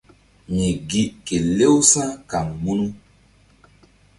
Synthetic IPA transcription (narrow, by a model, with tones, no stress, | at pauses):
mi˨ɡi˨ʔke˨le˦wsã˦ka˨ŋmu˦nu˦